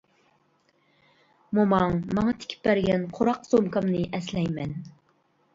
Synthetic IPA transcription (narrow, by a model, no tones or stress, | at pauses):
momɑŋmɑŋɑt̪ʰɪ̥kʲi̥p̚ːbæɾɡʲɛnqʰoɾɑqsomkɑmnɨʔɛslɛjmɛn